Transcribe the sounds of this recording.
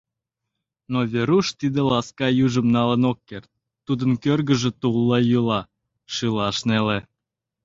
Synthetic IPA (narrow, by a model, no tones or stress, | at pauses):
noβʲeɾuʃt̪id̪elɑskɑjyʒəmnɑlənokːert̪̚ːud̪ənkørɣəʒĕt̪ulːɑjylɑ | ʃɨlɑʃnele